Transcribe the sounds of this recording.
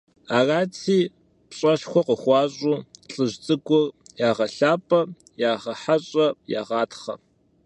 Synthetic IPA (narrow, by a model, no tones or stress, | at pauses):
aːraːt͡sʰiː | pɕʼɐɬxʷɔqəχʷɑːɕʼuːɬʼɨʑt͡sʼɨɡʷʊrjaːʁɐɬaːpʼɐ | jaːʁɐħaɕʼɐja̰ːʁɑːtχɐ̰